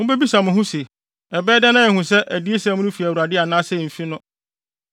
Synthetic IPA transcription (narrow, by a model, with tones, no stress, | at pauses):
hʊ̃˦be˦bi˦sã˨mʊ̃˨ɦʊ̃˦se˨ | ɛ˨bɛː˦dɛ˦nã˦jɛ˨hʊ̃˨s̬ɛ˦ʔæ˨di˦e˦sã˦mʊ̃˦nʊ̃˦fi˨æ˨u˨ɾa˨dɪ˦a˨nãː˦sɛ˦˨fi˦nʊ̃˦